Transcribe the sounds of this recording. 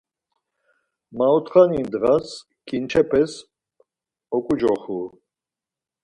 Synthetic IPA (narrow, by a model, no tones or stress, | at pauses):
maɔt̪χanind̪ɣas | kʰʼint͡ʃʰɛpʰɛs | ɔkʼud͡ʒɔχu